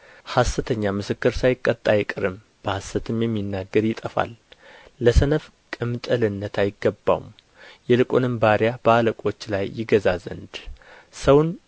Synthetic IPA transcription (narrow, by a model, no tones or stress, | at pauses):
hasːət̪ʰəɲːamɨsɨkːɨɾsajɪkʼːət̪ʼːajɪkʼɨɾɨm | b̥əhasːət̪ʰɨmjɛmːinːaɡːəɾjɪt̪ʼəfa̰lː | əsənəf | kʼɨmt̪ʼɨlɨnːət̪ʰajɪɡːəbːa̰wṵm | jɛlɨkʼonɨmbaɾijab̥əaləkʼo̞t͡ʃːlajːɪɡəzazə̰nd̪ | səwn